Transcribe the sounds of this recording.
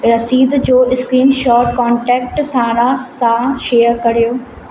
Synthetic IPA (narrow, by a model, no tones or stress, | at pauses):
ɾɐsiːd̪d͡ʑoːɪskɾiːnʃɔːʈkɔːɳʈɛːk̚ʈsãːɾãsãʃeːəɾkɐɾijoː